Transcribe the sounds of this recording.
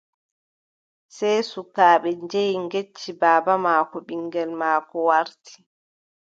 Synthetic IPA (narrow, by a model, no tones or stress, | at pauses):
sɛjsukaːɓɛɲd͡ʒejŋɡet͡ʃːibaːbamaːkɔɓiŋɡɛlmaːkɔwaɾtʰi̥